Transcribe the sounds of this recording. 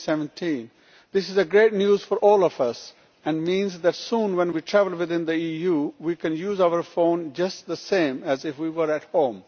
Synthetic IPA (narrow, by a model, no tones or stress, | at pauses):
sɛvə̃ntʰĩːn | d̪ɪsɪzəɡɾeːʈnjuːzfɔɾʔɔːlɔfʌs | ɛ̃nmĩːnzðæʈsũːnwɛ̃nwiʈʰɾævəl̩wɪðɪ̃nd̪iiːjuːwiːkɛ̃njuːzaʊəɾfõʊ̃nd͡ʒʌsʈd̪əsẽːmæzɪfwiːwəɾæʈhõːm